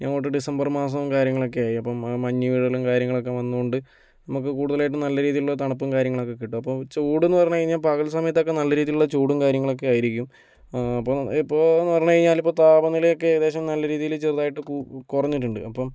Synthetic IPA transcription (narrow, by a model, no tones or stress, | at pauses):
ɲanoːʈːɨɖisɐmbɐrmaːs̬ɐʋumkaːɾjɐŋːɐɭo̞k̬ːe̞aːjiɐpːɐmːɐɲːuʋiɽɐlumkaːɾjɐŋːɐɭo̞kːe̞ʋɐnːuuɳɖɨ | nɐmukːɨkuːɽuðɐlaːjiʈːɨnɐlːɐɾiːðijiluɭːɐt̪ɐɳɐpːumkaːɾjɐŋːɐɭo̞kːe̞kːiʈːuɐpːɐmt͡ɕuːɽenːɨpɐrɐɲːɻiɲːaːlpɐɣɐɭsɐmɐjɐt̪ːo̞kːenɐlːɐɾiːðijuɭːɐt͡ɕuːɽumkaːɾjɐŋːɐɭo̞k̬ːe̞aːjiɾikʲːum | ɐpːoipːo̞ːnːɨpɐrɐɲːɐːɻiɲːaːlipːot̪aːbɐnːileokːe̞ðe̞ːɕɐmnɐlːɐɾiːðijilt͡ɕerðaːjiʈːɨkkurɐɲːiʈːuɳɖɨ̰ɐpːɐm